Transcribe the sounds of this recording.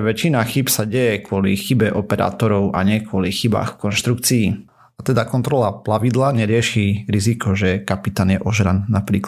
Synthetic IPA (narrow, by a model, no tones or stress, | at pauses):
ʋɛt͡ʃinaxipsaɟɛjɛkwʊɔlḭxibɛʔɔpɛɾa̰ːt̪ɔɾɔʊʔa̰ɲɛkʊɔlixiba̰ːxfkɔnʃt̪ɾukt͡siː | at̪ɛd̪akɔnt̪ɾɔlaplaʋid̪laɲɛɾɪɛʃiɾizikʰɔʒɛkapit̪aːnjɛʔɔʒɾannapɾiːk